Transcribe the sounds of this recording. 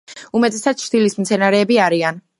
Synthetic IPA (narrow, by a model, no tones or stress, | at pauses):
umɛt̪ʼɛsat̪ʰt͡ʃʰd̪̥ilismt̪sʰɛnaɾɛːbiaɾian